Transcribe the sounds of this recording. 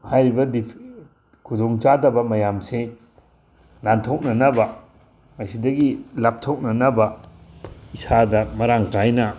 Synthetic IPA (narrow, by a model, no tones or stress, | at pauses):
hajɾibɐdipʰ | kʰudoŋt͡ʃadɐbɐmɐjamse | nantʰok̚nɐnɐbɐ | mɐsidɐɡilap̚tʰok̚nɐnɐbɐ | isadɐmɐɾaŋkajnɐ